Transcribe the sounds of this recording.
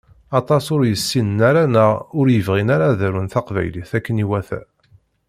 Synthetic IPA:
ɑt̪ˤɑsʊɾjəsːinənaɾænəʁʊɾjəvʁinaɾaðæɾunθɑqvæ̰jliθækːəniwæθæ̰

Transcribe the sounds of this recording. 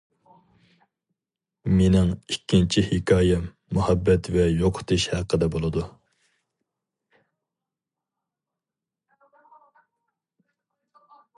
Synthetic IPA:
menɪŋikʲʰːint͡ʃʰihɪkʰʲɑːjɛ | muhɛbːɛt̪vɛjoqʰʊ̥t̪ʰɨʃhæqʰəd̪ɛbolˠɨd̪u

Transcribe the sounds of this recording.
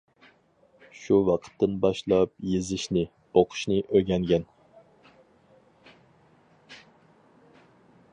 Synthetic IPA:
ʃuwɑqʰə̥t̪ʰːɨnbɑʃlˠɑp̚jezɪʃnɪ | oqʰʊ̥ʃnɨʔøɡʲɛŋɡʲɛn

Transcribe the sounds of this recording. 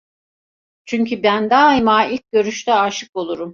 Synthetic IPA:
t͡ʃʰyɲcʰybænd̪aɦimaːilʲc̚ɟø̞ɾyʃt̪ʰɛaʃɯko̞lˠuɾum

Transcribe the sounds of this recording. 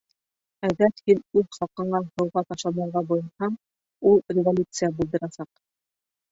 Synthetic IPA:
æɡæɾhinʉðχɑlˠqɤ̆ɴɑhɤ̆wʁɑt̪ɑʃlˠɑnɑɾʁɑbujɤ̆nhɑm | ulˠrʲɪvolʲut̪sɨjabulˠd̪ɤ̆ɾɑsɑq

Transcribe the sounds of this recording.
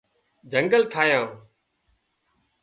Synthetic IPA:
d͡ʒʱəŋɡəlt̪ʰaːjãː

